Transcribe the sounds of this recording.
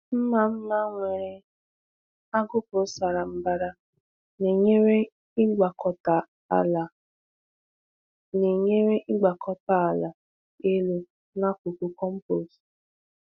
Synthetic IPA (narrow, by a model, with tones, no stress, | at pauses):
m̩˦ma˨m̩˦na˦ŋʷe˨ɾɪ˨ | a˦ɡʊ˦pʊ˨˦sa˨ɾa˨m̩˨ba˨ɾa˨ | ne˨ɲe˦ɾe˦ | ɪ˦ɡ͡ba˨kɔ˨ta˨ | a̰˨la˨ | ne˨ɲe˦ɾe˦ʔɪ˦ɡ͡ba˨kʰɔ˨ta˨a˨la˨ | e˦lo˨ | na˦kʷu˨ku˨kɔ˦m̩˦po˨s